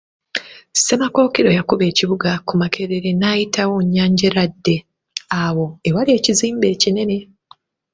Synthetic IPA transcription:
se̞mako̞ːkiɾo̞jakuβe̞ːciβuɡakumakʰe̞ɾe̞ɾe̞naːjitʰawoɲːaːɲɟeɾadːe̞ | awo̞ewalie̞ːciziːmbe̞ːcine̞ne̞

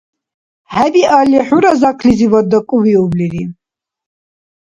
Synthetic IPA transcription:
hɛbialiħuɾazakʰlizivad̪akʼuviubliɾi

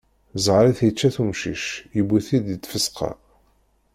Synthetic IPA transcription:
zˤʁɾiθjət͡ʃːæθumʃḭʃjəbiθid̪ət̪ːfəsqɑ̰

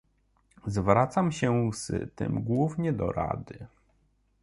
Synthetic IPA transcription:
zvɾat̪samɕɛzt̪ɘ̰mɡwuvɲɛd̪ɔ̰ɾa̰d̪ɘ

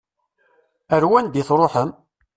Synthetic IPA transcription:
əɾwænd̪iθɾˤoħəm

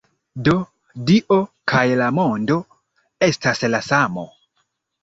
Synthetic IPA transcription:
do̞ | diʔokʰajlamo̞ndo̞ | e̞staslasamo̰

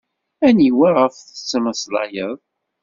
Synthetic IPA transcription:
æniwæʁəfθət͡sːəməslɑ̰jəðˤ

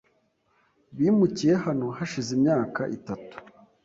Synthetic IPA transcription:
βiːmucije̞hano̞haʃizimɲaːkaʔitatu̥

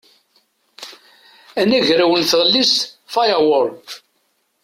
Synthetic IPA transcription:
ænæʝɾæwənθəʁlːist̪fɑjwəɾˤ

